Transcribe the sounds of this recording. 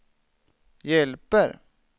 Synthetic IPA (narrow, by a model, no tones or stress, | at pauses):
jɛlpəɾ